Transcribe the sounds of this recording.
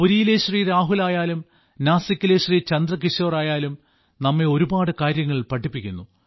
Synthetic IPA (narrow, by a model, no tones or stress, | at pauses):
puɾijileɕriːɾaːɦulaːjaːlum | naːsɐkʲːileɕriːt͡ɕɐnd̪rɐkiʂoːraːjaːlum | nɐmːeo̞ɾubaːɽɨkaːɾjɐŋːɐɭpɐʈʰːipːikʲːunːu